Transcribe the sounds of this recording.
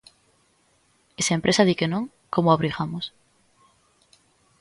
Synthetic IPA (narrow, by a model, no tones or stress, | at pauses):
esaempɾesaðikenõŋ | komoaβɾiɣamos